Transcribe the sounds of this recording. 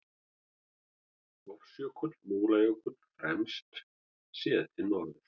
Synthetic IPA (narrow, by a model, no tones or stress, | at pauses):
vɔfsjʏkʰɔt̪lmuːlajœkʰɔt̪l̥fɾɛ̰mst̪ | sɛðt̪ʰɪnɔɾðɪɾ̥